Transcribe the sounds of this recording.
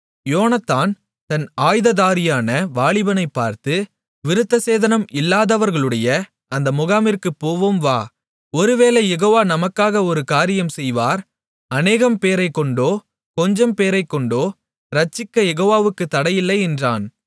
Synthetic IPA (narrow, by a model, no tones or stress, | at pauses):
joːnɐt̪ːaːn | t̪ɐnaːjðɐðaːɾɪjaːnɐʋaːɭɪbɐnɐɪpːaːɾt̪ɯ | ʋɪɾɯt̪ːɐseːðɐnɐmɪlːaːðɐʋɐɾɣɐɭɯɽɐjɐ | ɐnd̪ɐmʊɣaːmɪɾkɯpːoːʋomʋaː | ɔɾɯʋeːlɐjɛɣoːʋaːnɐmɐkːaːɣɐɔɾɯkaːɾɪjɐmsɛjʋaːɾ | ɐneːɣɐmpeːɾɐɪkːɔɳɖoː | kɔɲd͡ʒɐmpeːɾɐɪkːɔɳɖoː | ɾɐt͡ʃːɪkːɐjɛɣoːʋaːʋɯkːɯt̪ːɐɽɐjɪlːɐɪɛndra̰ːn